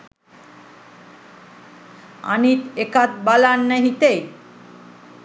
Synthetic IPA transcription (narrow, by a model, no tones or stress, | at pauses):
a̰nit̪ekat̪̚balanːeɦit̪ej